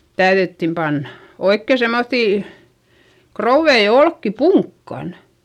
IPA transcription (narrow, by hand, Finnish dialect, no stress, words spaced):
tæyðytːim pɑnːɑ̥ oikːe semːoθːiˑ krouʋːei olkːi puŋkːɑn